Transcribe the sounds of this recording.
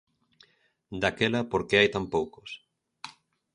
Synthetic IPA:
d̪akelɐpoɾkeajt̪ampowkos

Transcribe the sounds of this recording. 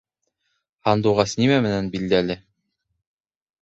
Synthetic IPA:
hɑnd̪uʁɑsnimæmɘ̆nænbild̪ælɘ

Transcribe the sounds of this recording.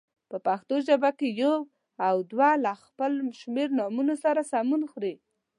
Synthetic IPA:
pəpaxt̪oʒabakejow | awd̪walaxpəlʃmeɾnɑmunosaɾasamunxɾi

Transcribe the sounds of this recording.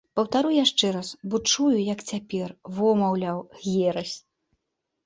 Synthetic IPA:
pɐwt̪aɾujaʂt͡ʂɛɾasbɔt͡ʂujujɐkt͡sʲapʲɛrvɔmɐwlʲawɣʲjɛɾɐsʲ

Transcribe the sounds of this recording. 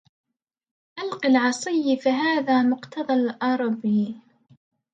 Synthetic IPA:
ʔalqɪlʕɑsˤɨjːɪfiɦaːðaːmʊqt̪ɑðˤɑlʔɑɾˤɑbjiː

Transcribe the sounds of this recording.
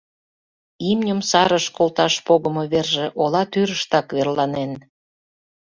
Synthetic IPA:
imnʲəmsɑɾəʃkolt̪ɑʃpoɣəmoβerʒĕʔolɑt̪yɾəʃt̪ɑkβerlɑnen

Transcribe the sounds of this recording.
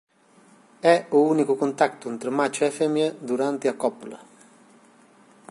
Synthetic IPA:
ɛounikʊkont̪akt̪ʊnt̪ɾomat͡ʃʊɛfɛmjad̪uɾant̪ɪakɔpulɐ̰

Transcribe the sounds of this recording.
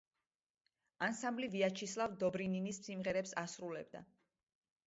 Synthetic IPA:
ansambliviat͡ʃʰislˠavd̪ɔbɾininismsimʁɛɾɛpsasɾulɛ̰b̚d̪a̰

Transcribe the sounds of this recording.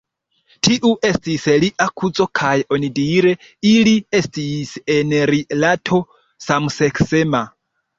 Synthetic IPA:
tʰiʔuʔestisliʔakʰut͡sokʰajiʔonidiɾe | iliestisenɾilatʰo | samuseksema

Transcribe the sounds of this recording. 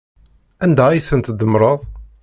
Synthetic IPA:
ænd̪ææjθənt̪d̪əmɾˤəðˤ

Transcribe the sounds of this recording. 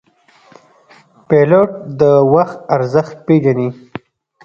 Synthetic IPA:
peloʈ̚d̪əwaxt̪aɾzəxt̪̚peʒani

